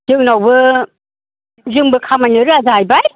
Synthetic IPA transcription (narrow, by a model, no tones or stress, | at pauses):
zɯŋnawbɯ | zɯŋbɯkʰamajnɯɾɯazajbaj